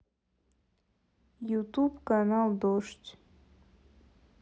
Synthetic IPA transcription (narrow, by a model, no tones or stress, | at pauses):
jut̪ubkanalˠd̪oʂt͡s